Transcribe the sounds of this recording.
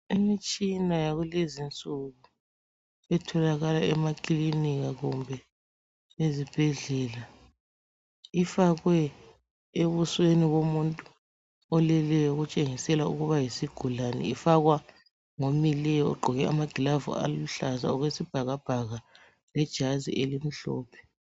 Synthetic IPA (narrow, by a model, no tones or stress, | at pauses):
imit͡ʃʼinajaɣulezint͡sʼuɣu | ɛtʰɔlaɣalaɛmakʼliniɣaɣumbʱɛ | ezib̥ʱeɮɛla | ifaɣwɛ | eβusweniβomuntʼu | ɔlɛlɛjɔɣut͡ʃʼeŋisɛlaṵɣuβajisiɡ̥ʱulanɛ̰ifaɣwa | ŋomilɛjɔɔ̰ɡ͡ǃʱɔɣɛʔamaɡ̥ʱilavṵa̰luɬaza̰ɔɣwesib̥ʱaɣab̥ʱaɣa | lɛd̥ʒ̥ʱazḭʔelim̩ɬɔːpʰɛ̥